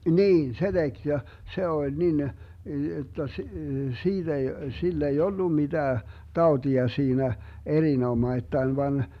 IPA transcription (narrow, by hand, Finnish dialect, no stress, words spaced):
niːn se d̥eɡ̊ jɑ se olʲ nin jotːɑ s siːd̥ ei silː ei olːu mid̥æː tɑotiɑ siːnæ erinomɑitːɑin ʋɑn